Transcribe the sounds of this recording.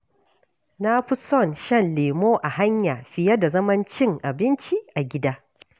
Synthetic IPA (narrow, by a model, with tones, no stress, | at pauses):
na˦ɸi˦sɔ˦˨nʃɐ˦˨nleː˨moː˦ʔa˨ɦa˦ɲja˨ɸɪ˨jɐ˦da˨zɐ˦mɐ˦nt͡ʃɪ˦˨ŋʔa˨bɪ˦nt͡ʃi˦ʔa˨ɡʲɪ˦daː˦